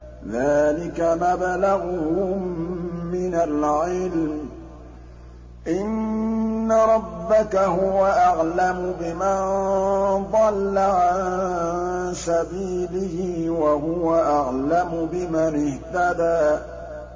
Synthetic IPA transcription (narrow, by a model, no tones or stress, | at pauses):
ðaːlɪkamablaɣʊhʊmːɪnalʕɪlm | ʔɪnː | aɾˤɑbːakaɦʊwaʔaɣlamʊbɪman | d̪ˤɑlːaʕannsabiːlɪhɪːwaɦʊwaʔaɣlamʊbɪmanɪht̪ad̪aː